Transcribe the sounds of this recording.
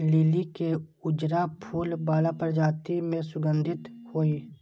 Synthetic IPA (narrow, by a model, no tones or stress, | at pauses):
liːlike | ʊd͡ʒɾapʰuːlbaːlapəɾd͡ʒaːt̪imẽsʊɡə̃nd̪ʱɪt̪hoːiː